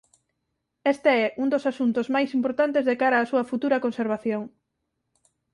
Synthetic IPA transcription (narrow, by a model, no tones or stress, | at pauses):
ɛst̪eɛʔuŋd̪osasunt̪ozmajsimpoɾt̪ant̪ezðekaɾɐːsuɐfut̪uɾɐkonseɾβ̞aθjoŋ